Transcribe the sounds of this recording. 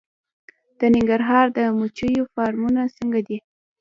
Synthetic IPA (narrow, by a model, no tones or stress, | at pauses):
d̪̥ənɪŋɡaɾɦɑɾd̪əmut͡ʃəjofɑɾmunasəŋɡad̪i